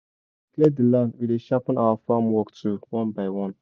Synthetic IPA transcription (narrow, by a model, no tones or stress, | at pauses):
kledilanvileʃapənaafamwɔkt͡suwɔnbajwɔn